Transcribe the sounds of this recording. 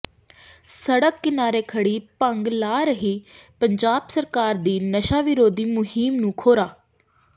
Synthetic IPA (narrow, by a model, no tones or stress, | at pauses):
səɽəkːɪnaːɾeːkʰəɽiːpəŋɡlaːɾəɦiːpəɲd͡ʒaːbsəɾkaːɾd̪iːnəʃaːʋɪɾoːd̪iːmʊɦiːmnũːkʰoːɾaː